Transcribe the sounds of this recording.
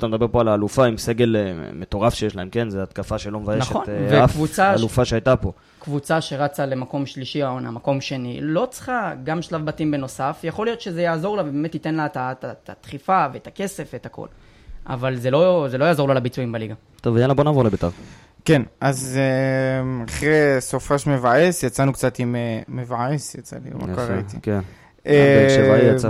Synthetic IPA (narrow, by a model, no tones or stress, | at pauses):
at̪amed̪abe̞po̞alaːlufaimse̞ɡe̞leme̞t̪o̞ʁafʃejeʃlaemke̞nzeat̪kafaʃelo̞mevajenaʃχeonvekvut͡saalufaʃeajtapo̞ | kvut͡saʃe̞ʁat͡sale̞mako̞mʃliʃiaona̰mako̞mʃe̞nilo̞t͡sχaɡamʃlavbatimbe̞no̞safjaχo̞lijo̞t̪ʃe̞zejaːzo̞ʁlavebeme̞t̪ite̞nlatatatat̪χifavet̪ake̞se̞fvet̪ako̰l | a̰valze̞lo̞zelo̞jaːzololabit͡suimbaliɡa | t̪ovelabonavolebet̪aʁ | ke̞naze | aχʁesofaʃme̞vaesjat͡sanukt͡sat̪imemevaesjat͡salima̰kaʁaitikn | ea